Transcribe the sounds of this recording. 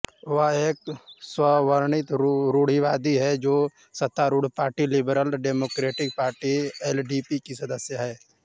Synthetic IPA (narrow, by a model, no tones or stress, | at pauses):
ʋaeːkswəʋəɾɳɪt̪ɾuːɽ̤iʋaːd̪iɦɛd͡ʒoː | sət̪ːaɾuːɽ̤paːɾʈilɪbɾəlɖeːmoːkɾeːʈɪk̚paːɾʈiɛːlɖiːpikisɐd̪əsjəɦɛː